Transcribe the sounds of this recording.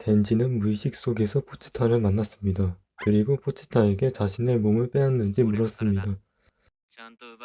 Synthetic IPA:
te̞nd͡ʑinɯnmuiɕʰik̚s͈oɡe̞sʰʌpʰot͡ɕʰi̥tʰaɾɯɭmanːas͈ɯmɲida | kɯɾiɡopʰot͡ɕʰi̥tʰae̞ɡe̞t͡ɕaɕʰine̞momɯɭp͈eɦanːɯnd͡ʑimuɾʌs͈ɯmɲida

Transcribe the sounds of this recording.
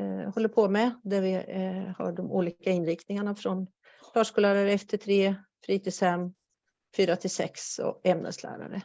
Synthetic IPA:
hɔlːəɾpʰɔmɛd̪æɾvɪha̰ɖɔmṵːliːkaɪnɾɪkt̪nɪŋaɳafɾɔn | fœːʂkuːlæːɾaɾəɛft̪ʰəʈ̪ʰɾeːfɾiːt̪ʰɪsɛmː | fyːɾat̪ʰɪlsɛ̰ksɔ̰ɛmnə̰slæ̰ːɾa̰ɾə̰

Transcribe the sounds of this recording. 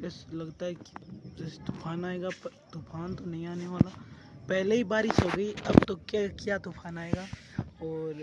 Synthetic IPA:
ɛslɐɡt̪aɦɛki̥d͡ʒɛːset̪ʊfʰaːnaːeːɡat̪ʊfʰaːnt̪onɐɦĩaːneʋaːla | pɛɦleɦibaːɾɪʃɦoːɡəiɐbt̪okjakjat̪ʊpʰaːnaːeːɡaːɔːɾ

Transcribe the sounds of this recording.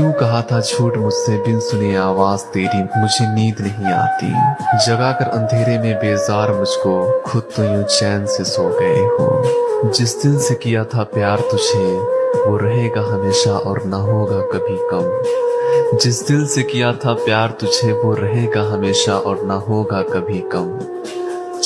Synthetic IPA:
jũkɐɦat̪ʰat͡ʃʰuːʈmʊd͡ʒʱsebʱɪnsʊniaːʋaːzt̪eːɾimʊd͡ʒʱeniːd̪nɐɦĩa̰ːt̪ḭd͡ʒɐɡakɐɾʔɐ̰̃nd̪ʱeːɾemẽbeːzaːɾmʊd͡ʒʱkokʰʊd̪̚t̪ojõːt͡ʃɛːnsesoːɡɐḛɦõ̰ːd͡ʒɪsd̪ɪlsekijat̪ʰapjaːɾt̪ʊd͡ʒʱeʋoɾɐɦeːɡaɦɐmeːʃaʔɔːɾnɐɦoːɡakɐbʱikɐm | d͡ʒɪsd̪ɪlsekijat̪ʰapjaːɾt̪ʊd͡ʒʱeʋoɾɐɦeːɡaɦɐmeːʃaʔɔːɾnaɦoːɡakɐbʱikɐm

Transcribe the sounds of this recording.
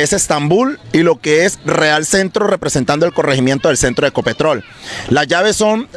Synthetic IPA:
ese̞st̪ambulilo̞ke̞esre̞alse̞nt̪ɾo̞re̞pɾe̞sent̪and̪oelko̞reximje̞nt̪o̞ðe̞lse̞nt̪ɾoeko̞pe̞t̪ɾo̞lː | azʝaβ̞e̞sːo̞n

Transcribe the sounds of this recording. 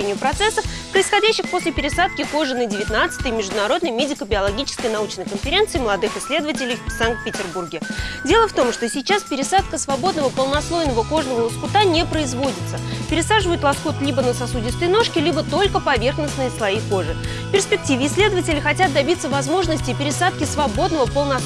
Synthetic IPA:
enʲɪjʊpɾɐt̪sɛsːəfpɾəɪsxɐdʲæɕːɪxpo̞sʲlʲɪpʲɪɾʲɪsat̪̚kʲɪko̞ʐɨnədʲɪvʲɪt̪nat̪sɨ̥t̪əjmʲɪʐd̪ʊnɐɾo̞d̪nəjmʲedʲɪkəbʲɪɐlˠɐɡʲit͡ɕɪ̥skəjnɐut͡ɕnəjkənfʲɪɾʲent̪sɨːməlˠɐd̪ɨxɪsʲlʲe̞d̪əvətʲɪlʲɪjfsaŋk̚t̪̚pʲɪtʲɪrburɡʲɪdʲe̞lˠəft̪o̞mʂt̪o̞sʲɪt͡ɕaspʲɪɾʲɪsat̪kəsvɐbo̞d̪nəvəpəlˠnɐslˠo̞jnəvəko̞ʐnəvəlˠəskʊt̪anʲepɾəɪzvo̞dʲɪtt̪səpʲɪɾʲɪsaʐɨvəjʊt̪lˠɐskut̪lʲibənəsɐsudʲɪsʲt̪əjno̞ʂkʲɪlʲibət̪o̞lʲkəpɐvʲe̞rxnəsnɨjəslˠɐijko̞ʐɨ | pʲɪrspʲɪk̚tʲivʲɪːsʲlʲe̞d̪əvətʲɪlʲɪxɐtʲat̪̚d̪ɐbʲit̪sːəvɐzmo̞ʐnəsʲtʲɪpʲɪɾʲɪsat̪̚kʲɪsvɐbo̞d̪nəvəpəlˠnɐ

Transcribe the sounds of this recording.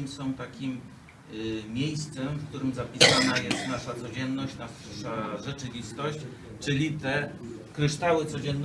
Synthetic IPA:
msɔ̃w̃t̪akʲim | jejst̪sɛmfk̚t̪uɾɘmzapʲisanajɛst̪naʂat̪sɔd͡ʑɛnːɔɕt͡ɕna | ʂaʐɛt͡ʂɘvʲist̪ɔɕt͡ɕ | t͡ʂɘlʲit̪ɛkɾɘʂt̪awɘt̪sɔd͡ʑɛnː

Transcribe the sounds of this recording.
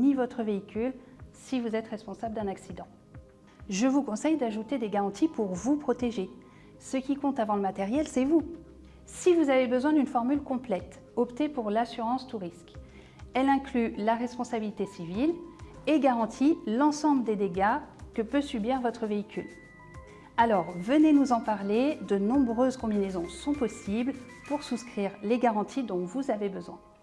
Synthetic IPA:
nivɔt̪χəveikʲyl | sivuzɛt̪ʁɛspɔ̃sabləd̪ɛ̃naksid̪ɑ̃ | ʒəvukɔ̃sɛjd̪aʒut̪ed̪eɡaʁɑ̃t̪ʰipuʁvupχɔt̪eʒe | səkʲikɔ̃t̪avɑ̃ləmat̪ɛʁjɛlsɛvu | sivuzavebəzwɛ̃d̪ynfɔʁmylkɔ̃plɛt̪ | ɔpt̪epuʁlasyʁɑ̃st̪uʁisk | ɛlɛ̃klylaʁɛspɔ̃sabilit̪esivileɡaʁɑ̃t̪ʰilɑ̃sɑ̃bləd̪ed̪eɡakəpøsybiʁvɔt̪χəveikʲyl | alɔʁvənenuzɑ̃paʁled̪ənɔ̃bʁøzkɔ̃binezɔ̃sɔ̃pɔsibl | puʁsuskχiʁleɡaʁɑ̃t̪ʰid̪ɔ̃vuzavebəzwɛ̃

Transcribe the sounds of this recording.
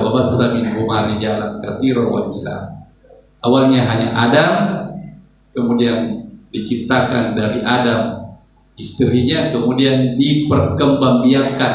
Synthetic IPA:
wabarθaminbumaɾid͡ʒalankaθiɾowa̰nisa̰ | ʔawalɲaɦaɲa̰ʔadam | kəmudiandit͡ʃit̪akandaɾiʔadam | ist̪əɾiɲakəmudiandipərkəmbambiaŋka

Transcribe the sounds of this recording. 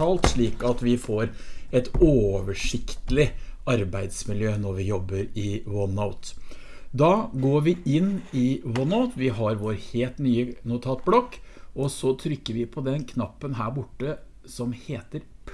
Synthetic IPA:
ɑːlt̪ʂɭiːkɑt̪ʋɪfoɾɛt̪oːʋəʂɪkt̪əlɪɑɾbæɪd̪smɪljøːnɔɾʋɪjɔbːəɾɪwɔnaʊt̪ | d̪ɑːɡoːɾʋɪʔɪnːɪwɔnaʊt̪ʋɪɦɑɾʋoːɾheːlt̪nyːənʊt̪ʰɑːt̪̚blɔkːɔsɔt̪ʰɾʏkːəɾʋɪpʰɔd̪ɛnkʰnɑpːənɦæːɾbʊʈːə | sɔmheːt̪əɾpʰ

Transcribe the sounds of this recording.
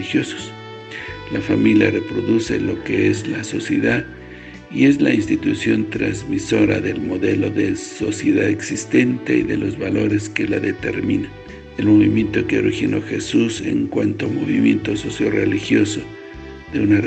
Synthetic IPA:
ixjoso̥s | lafamilja̰repɾoðusḛlokeezlasosjeðað | ie̞zlainst̪it̪usjo̞nt̪ɾa̰zmiso̞ɾa̰ðe̞lmoðe̞loðesosjeðaðeksist̪e̞nt̪eḭðḛlozβalo̞ɾeskelaðet̪eɾmina | elmoβimje̞nt̪okeorixinoxesusḛŋkwant̪oamoβimjent̪ososjorḛlixjoso | ðeunar

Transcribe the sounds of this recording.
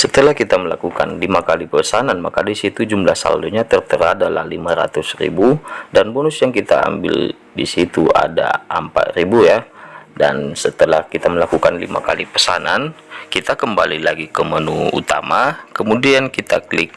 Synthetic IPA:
sət̪əlahkit̪aməlakuka̰nlimakalipəsananmakadisit̪ud͡ʒumlahsa̰luɲat̪ərt̪əɾadala̰limaɾa̰t̪ʊsrḭbudanbonʊsjaŋkit̪a̰ːmbɪ̰l | dḭsit̪ua̰da̰ʔəmpa̰t̪̚ribujada̰nsət̪əlahkit̪aməlakukanlḭma̰kalipəsanan | kit̪akəmbalilaɡikəmənuṵt̪a̰makəmudiankit̪aklɪk̚

